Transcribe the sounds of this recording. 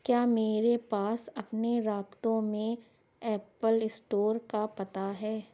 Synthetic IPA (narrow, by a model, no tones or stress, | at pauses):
kjaːmeːɾepaːsɐpneɾaːbt̪õmẽ | ɛːpəlɪsʈoːɾkapɐt̪aɦɛː